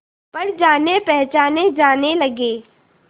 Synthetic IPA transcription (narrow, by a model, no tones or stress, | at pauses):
pɐɾd͡ʒaːnepɛɦt͡ʃaːned͡ʒaːnelɐɡeː